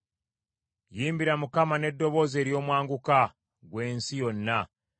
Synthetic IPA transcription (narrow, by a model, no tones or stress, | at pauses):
jiːmbiɾamukamane̞dːo̞βo̞ːze̞ːɾjo̞ːmwaːŋɡuka | ɡwe̞ːnsijo̞nːa